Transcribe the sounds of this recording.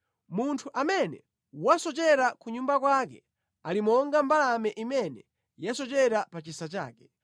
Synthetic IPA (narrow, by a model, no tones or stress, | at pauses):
muntʰuʔamɛnɛ̰ | wasɔt͡ʃɛɾakuɲumbakwaːkɛ | alimɔŋɡambalamɛʔimɛnɛ | jasɔt͡ʃɛɾapat͡ʃisat͡ʃa̰ːkɛ̥